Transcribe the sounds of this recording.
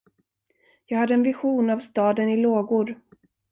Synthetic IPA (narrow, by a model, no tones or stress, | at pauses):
jɑːɡhad̪ːəɛnvɪɧuːnavst̪ɑːd̪ənɪloːɡuːɾ